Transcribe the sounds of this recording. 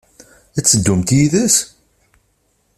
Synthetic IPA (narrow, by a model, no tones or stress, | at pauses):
æt͡sːəd̪ːʊmt̪jiðəs